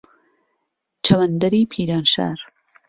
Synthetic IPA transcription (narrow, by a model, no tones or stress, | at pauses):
t͡ʃʰɐwɐnd̪ɐɾiːpʰiːɾaːnʃa̰ːɾ